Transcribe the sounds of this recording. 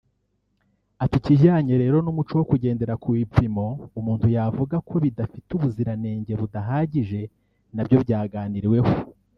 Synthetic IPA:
atuciʒaːɲe̞ɾe̞ːɾo̞numut͡ʃowokuɟe̞ːnde̞ɾakuwipimo̞umuːnthujavuɡakʰo̞βidafituβuziɾane̞ːɲɟe̞βudaɦaːɟiʒe̞ | nabjo̞bɟaːɡaːniɾiwe̞ho

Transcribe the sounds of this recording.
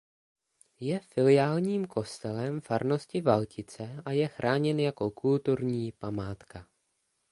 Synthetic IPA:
jɛfɪlɪjaːlɲiːmkʰo̞st̪ɛlɛmfaɾno̞scɪvalcɪt͡sɛʔajɛxɾʔaːɲɛnjako̞kʰult̪uɾɲiːpamaːt̪ka

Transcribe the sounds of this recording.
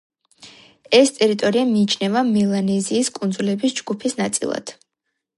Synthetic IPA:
ɛst̪ʼɛɾit̪ʼɔɾiamiːt͡ʃʰnɛvamilˠanɛziːskʼund̪zulɛbisd͡ʒɡupʰisnat̪sʼḭlˠa̰d̪̥

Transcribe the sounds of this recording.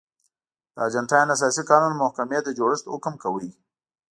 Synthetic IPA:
d̪̥əad͡ʒaɳʈɑjnas̬ɑsikɑnunmʊhkamed̪əd͡ʒoɽɪst̪ʊ̰kmkawəj

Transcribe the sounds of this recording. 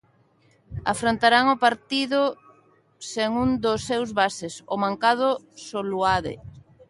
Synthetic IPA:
afɾont̪aɾaŋopaɾt̪iðʊ | seŋund̪ʊsːewzβasesʊmãŋkað̞ʊ | soluaðḛ

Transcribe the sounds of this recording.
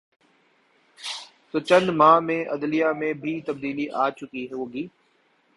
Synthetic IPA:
t̪oːt͡ʃə̃nd̪mãːmẽʔɐd̪lijamẽbʱit̪ɐb̚d̪iːliʔaːt͡ʃʊkiɦɛɦoːɡiː

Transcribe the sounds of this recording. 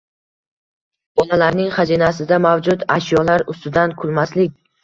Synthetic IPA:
b̥ɒlalaɾnɪŋχazinasɪd̪amavd͡ʒʊt̪aʃjɒlaɾʊst̪ɪd̪ankʰʊlˠmaslɪk̚ʲ

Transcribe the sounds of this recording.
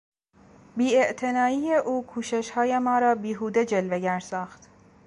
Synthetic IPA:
biːeʔt̪ʰe̞nɒːiːjeʔuːkʰuːʃeʃhɒːjemɒːɾɒːbiːɦuːd̪e̞d͡ʒe̞lve̞ɟæɾsɒːxt̪

